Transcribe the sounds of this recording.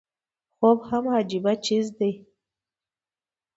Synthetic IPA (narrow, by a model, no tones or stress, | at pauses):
xobhamhad͡ʒibat͡ʃizd̪aj